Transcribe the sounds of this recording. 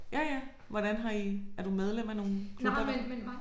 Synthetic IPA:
jæjæ | ʋɒɾ̥ænɦɑ̈iæɐd̥umeð̞ˠlem̰æno̝ːn̩kʰlub̥ɐ

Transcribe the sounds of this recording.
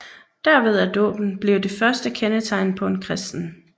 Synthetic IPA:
d̥æɐ̰ʋe̝ð̞ˠæɐd̥ɔ̰ːb̥n̩b̥le̝ʊd̥e̝fɶɐsd̥əkʰenət͡sʰɑ̈ɪnpʰɒ̽e̝nkʰʁɛsd̥n̩

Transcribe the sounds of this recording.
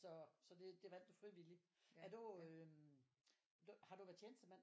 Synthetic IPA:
sɒ̽sɒ̽d̥e̝d̥e̝ʋæn̰d̥ufʁiʋiliæɐduø | d̥uhɑ̈ɾ̥uʋæɐt͡sʰeːnəsd̥əmæn̰

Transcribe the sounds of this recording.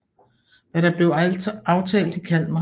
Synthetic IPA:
ʋæɾ̥ɑ̈b̥le̝ʊɑ̈ʊt͡sʰɛ̰ːld̥ikʰæl̰d̥mɑ̈

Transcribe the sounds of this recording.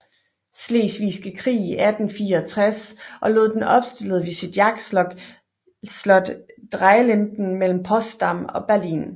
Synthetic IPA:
sle̝̰ːsʋiːsɡ̥əkʰʁḭːiʔæd̥n̩fiːɐɒt͡sʰʁasʔɒ̽lo̝̰ðˠd̥enʔɒ̽b̥sd̥e̝l̰ð̞̩ˠʋesid̥jɑ̈ɡ̥slɒɡ̥ | slɒ̽d̥d̥ʁɑɪlend̥n̩mel̰m̩pʰɒ̽sd̥ɑmɒ̽b̥æɐlḭːn

